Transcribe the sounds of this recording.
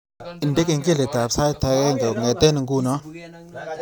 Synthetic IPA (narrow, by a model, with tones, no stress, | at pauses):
ɪ˨nde˦kɪ˨ŋɡi˦˨le˨ta˨psa˦jtʰa˧ke˦ŋɡa˨ŋe˨te˦nɪ˨ŋɡu˦nɔ˦